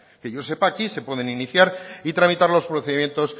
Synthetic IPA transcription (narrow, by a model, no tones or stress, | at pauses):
keʝo̞se̞pakise̞pwe̞ðe̞niniθjaɾit̪ɾamit̪aɾlo̞spɾoθe̞ðimje̞nt̪o̞s